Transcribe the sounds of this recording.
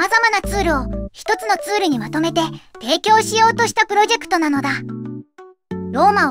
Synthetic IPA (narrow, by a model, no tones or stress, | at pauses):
azamanat͡sɨːɾɯ̟o̞çi̥t̪o̞t͡sɨno̞t͡sɨːɾɯ̟ɲ̟imat̪o̞me̞t̪e̞t̪e̞ːkʲo̞ːɕijo̞ːt̪o̞ɕi̥t̪apɯ̟ɾo̞ʑe̞kɯ̥t̪onano̞d̪a | ɾo̞ːma